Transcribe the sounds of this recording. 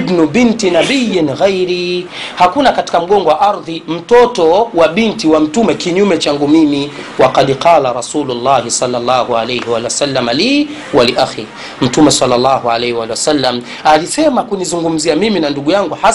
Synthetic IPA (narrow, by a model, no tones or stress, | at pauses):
bnubintinabijnɣajɾi | hakunakati̥kam̩ɠɔŋɡɔwaʔaɾðim̩tɔtɔwaɓintiwam̩tumɛkiɲumɛt͡ʃaŋɡumimi | waqadqɑːlaɾasuːlulːaɦisalːalːaːhualejhɛwaliwasalːamaliː | waliʔaxi | m̩tumɛsalːalːaːhualɛhɛwaliwasalːam | alisɛmakunizuŋɡum̩ziamiminanduɠujaŋɡuha